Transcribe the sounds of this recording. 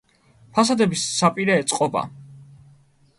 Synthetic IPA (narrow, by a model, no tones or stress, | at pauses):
pʰas̬ad̪ɛbisːapʼiɾɛːt̪sʼqʼɔba̰